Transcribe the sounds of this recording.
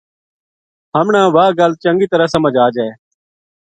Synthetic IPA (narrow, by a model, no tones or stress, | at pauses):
ɦəmɳãːʋaːɡəlt͡ʃəŋɡiːt̪əɾəsəməd͡ʒaːd͡ʒeː